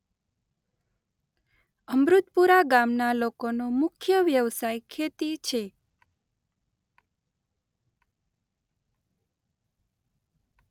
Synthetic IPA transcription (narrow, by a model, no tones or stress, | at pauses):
əmɾut̪puɾaɡamnalokonomʊkʰjəʋjəʋsajkʰet̪it͡ʃʰe